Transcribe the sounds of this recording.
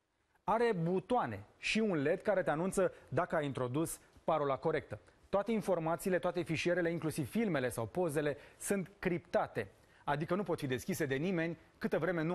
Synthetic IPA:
aɾe̞but̪oane̞̰ʃiunle̞t̪kaɾe̞t̪e̞anunt̪səd̪akəajint̪ɾo̞d̪uspaɾo̞lako̞ɾe̞k̚t̪ət̪oat̪e̞info̞rmat̪siːle̞t̪oat̪e̞fiʃie̞ɾele̞iŋklusiv̥filme̞le̞sawpo̞ze̞le̞sɨnt̪kɾipt̪at̪e̞ | ad̪ikənupo̞t̪fid̪e̞skʲise̞d̪e̞nime̞nʲ | kɨt̪əvɾe̞me̞nu

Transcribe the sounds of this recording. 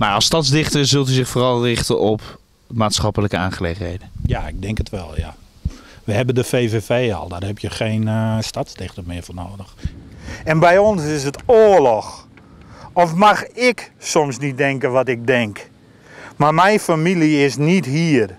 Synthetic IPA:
marɔstɔtsdɪχtəsɵlˠtyzɪxfoːrɑlˠrɪxtəʔɔp | maːtsχɔpələkəaːnχəleːχənheːdəjaɪɡ̚dɛŋkətʋɛ̰lˠja̰ | ʋəhɛbəndəfeːvefeːɔ̰lˠdɔrhɛpʰjəxeːnstatzdɪxtəmɪəvoːnoːdəx | ɛnbɛjɔnsɪs̬ətoːəlɔx | ɔfmaxɪksɔmsnit̚dɛŋkəʋɔtɪk̚dɛŋk | marmɛjfamiliɪsnithir

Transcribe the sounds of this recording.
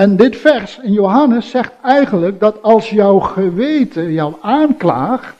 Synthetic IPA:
ɛndɪtfɛɹsɪnjowɦɑnəsːɛχtɛjχənlək̚dɑtɑlˠsjɔwχəʋejtəjɔwaːnkla̰ːχ

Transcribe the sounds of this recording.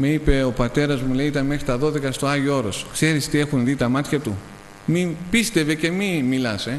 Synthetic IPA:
me̞ipe̞o̞pɐt̪e̞ɾɐzmule̞iit̪ɐnme̞xɾit̪ɐðo̞ðe̞kɐst̪oɐʝoo̞ɾo̞skse̞ɾist̪ie̞xunðit̪ɐmɐt̪çɐt̪u | mipist̪e̞ve̞ce̞mimilɐse̞

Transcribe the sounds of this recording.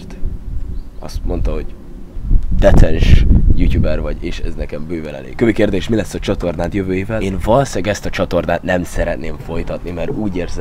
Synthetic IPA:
t̪ | ɒ̰st̪mo̞nt̪ɒɦo̞ɟ | d̪ɛt̪ʰɛnʃjuːtuːbɛrvɒɟeːʃɛ̰znɛkɛmbøːvɛlɛ̰lḛːkøvikeːrd̪eːʃmilɛsːɒt͡ʃɒt̪o̞rd̪aːt̪jøvøːjivɛlːnvɒlsɛɡɛst̪ɒt͡ʃɒt̪o̞rd̪aːt̪nɛmsɛɾɛt̪neːɱfo̞jt̪ɒt̪nimɛɾuːɟeːrzɛ

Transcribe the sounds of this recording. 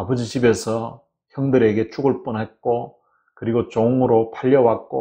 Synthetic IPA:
abʌd͡ʑid͡ʑibe̞sʰʌ | çjʌŋdɯɾe̞ɡe̞t͡ɕʰuɡɯɭp͈unɦet̚k͈o | kɯɾiɡot͡ɕoŋɯɾopʰaʎːʌwak̚k͈o̰

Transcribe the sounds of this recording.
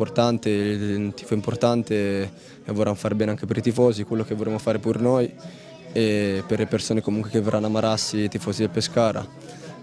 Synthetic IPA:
port̪ant̪elt̪iːfoimport̪ant̪e | evːorːanfaːɾebɛːneaŋk̟epeɾit̪ifɔːzikwelːok̟evːoɾemofaːɾepuɾnoj | eperlepersoːnekomuŋkwek̟everʔanːamːaɾasːiːt̪ifɔːzid̪elpːeskaːɾa̰

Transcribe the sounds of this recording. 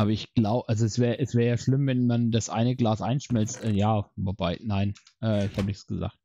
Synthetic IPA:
ʔaːbɐɪçɡ̥laʊbəʔalzoɛsv̥ɛːəʔɛsv̥ɛːʁəjaːʃlɪmvɛnmandasʔa̰ɪnəɡlaːsʔa̰ɪnʃmɛlt͡stʔɛːjaːvobaɪnaɪn | ʔɛːɪçhaːbənɪçt͡sɡ̥əza̰ːkt̚

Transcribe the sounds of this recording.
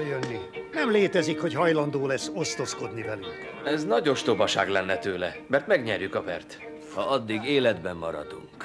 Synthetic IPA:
jønːi | nɛmleːt̪ɛzikho̞ɟɦɒjlɒnd̪oːlɛsːo̞st̪o̞sko̞d̪nivɛlyŋk | ɛznɒɟo̞ʃt̪o̞bɒʃa̰ːɡlɛnːɛt̪øːlɛ | mɛrt̪mɛɡɲɛrjykɒvɛ̰rt̪ | hɒɒd̪ːiɡeːlɛd̪bɛmːɒɾɒ̰d̪ṵŋk

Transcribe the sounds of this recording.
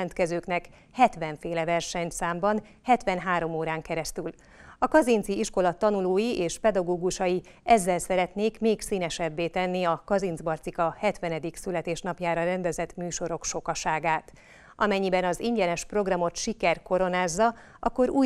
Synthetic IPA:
ɛnt̪kɛzøːknɛk | hɛt̪ʋɛɱfeːlɛvɛrʃɛɲt̪saːmbɒn | hɛt̪ʋɛnɦaːɾo̞moːɾaːŋkɛɾɛst̪yl | ɒkɒzint̪siiʃko̞lɒt̪ɒnuloːjiʔeːʃpɛd̪ɒɡoːɡuʃɒji | ɛzːɛlsɛɾɛt̪neːkmeːksiːnɛʃɛbːeːt̪ɛnːiɒkɒzinzbɒrt̪sikɒhɛt̪ʋɛnɛd̪iksylɛt̪eːʃnɒpjaːɾɒɾɛnd̪ɛzɛt̪myːʃo̞ɾo̞kʃo̞kɒʃaːɡaːt̪ | ʔɒmɛɲːibɛnɒziɲɟɛnɛʃpro̞ɡrɒmo̞t̪ʃikɛrko̞ɾo̞naːzːɒ | ɒ̰kːo̞ɾuː

